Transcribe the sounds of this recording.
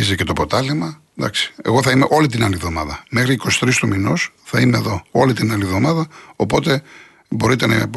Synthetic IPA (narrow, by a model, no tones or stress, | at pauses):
izece̞t̪o̞po̞t̪ɐlemɐ | d̪ɐ̰ksi̥e̞̰ɣo̞θɐime̞ʔo̞lit̪̬inɐlivðo̞mɐðɐmexɾiːko̞si̥t̪ɾist̪uminos | θɐimeːðo̞o̞lit̪inɐlivðo̞mɐðɐopo̞t̪e̞ | bo̞ɾit̪enɐ